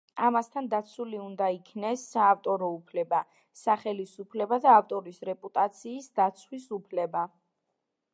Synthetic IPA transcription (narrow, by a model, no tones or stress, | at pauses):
amast̪ʰand̪at̪sʰuliund̪aikʰnɛsːaːft̪ʼɔɾɔupʰlɛba | saχɛlisupʰlɛbad̪aːft̪ʼɔɾisɾɛpʼut̪ʼat̪sʰiːsd̪at̪sʰwisupʰlɛba